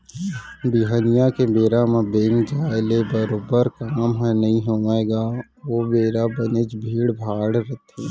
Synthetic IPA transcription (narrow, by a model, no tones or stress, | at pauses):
biɦənijakebeːɾamẽbend͡ʒaːelebəɾoːbəɾkaːmɦɛnɐɦĩɦoːʋaeɡaː | ʋoːbeːɾabənet͡ʃbʱiːɽbʱaːɽɾət̪ʰe